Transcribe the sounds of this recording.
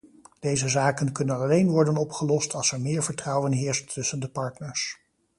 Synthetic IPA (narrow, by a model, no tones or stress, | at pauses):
d̥ejzəzaːkənkɵnənɑlejnʋɔɹdənɔpχəlɔstɑlˠsɛɹmɪːɹvəɹtrʌwənɦɪːɹstːɵsəndəpɑɹtnəɹs